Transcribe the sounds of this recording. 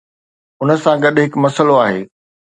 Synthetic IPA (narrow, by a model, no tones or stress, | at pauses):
ʊnə̆sãɡɐɗɦɪkmɐsəloaːɦeː